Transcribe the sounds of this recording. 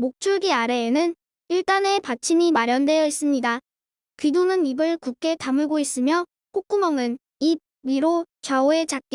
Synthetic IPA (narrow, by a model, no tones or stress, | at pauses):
mok̚t͡ɕʰuɭɡiaɾe̞ːnɯn | iɭt͈ane̞pat͡ɕʰinimaɾjʌnde̞jʌis͈ɯmɲida | kidonɯnibɯɭkuk͈ʰe̞tamɯɭɡois͈ɯmjʌ | k͈ok̚k͈umʌŋɯn | ib̚iɾo | t͡ɕaoe̞t͡ɕak̚k͈i